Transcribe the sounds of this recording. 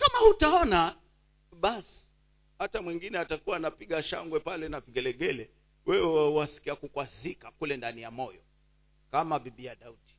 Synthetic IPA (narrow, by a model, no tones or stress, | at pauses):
kamahutaɔna | ɓasi̥ | hatamwiŋɡinɛatakuwaːnapiɠaʃa̰ŋɡwɛpalɛnaviɡɛlɛɠɛlɛ | wɛwɛwasi̥kiakukwazikakulɛndanijamɔjɔ | kamaɓiɓijaɗauti̥